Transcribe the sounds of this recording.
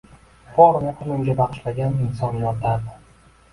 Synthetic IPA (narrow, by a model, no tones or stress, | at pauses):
fɒɾnɪqʰʊlˠɪmɡʲabɑqɨ̥ʃlaɡʲanɪnsɒnjɒɾt̪laɾd̪ɪ